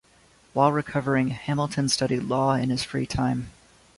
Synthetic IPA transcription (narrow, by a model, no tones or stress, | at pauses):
waɪlˠɹɨkʰʌvə˞ɪ̃ŋhæ̃ml̩ˠtʰɨ̃nstʌɾidˡlɔɪ̰̃nɨz̥fɹḭtʰãɪ̃m